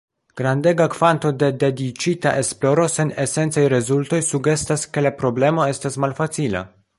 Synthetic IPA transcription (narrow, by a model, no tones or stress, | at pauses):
ɡ̥ɾande̞ɡakvanto̞de̞de̞dit͡ʃita̰ʔe̞splo̞ɾo̞se̞ne̞se̞nt͡sajɾe̞zulto̞jsuɡe̞staske̞lapɾo̞ble̞mo̞e̞stasmalfat͡sila̰